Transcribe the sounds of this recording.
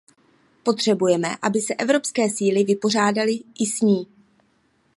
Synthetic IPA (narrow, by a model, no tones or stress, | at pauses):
po̞t̪r̥ɛbujɛmɛ̰ʔabɪsɛʔɛvɾo̞pskɛːsiːlɪvɪpo̞r̝aːdalɪʔɪsɲiː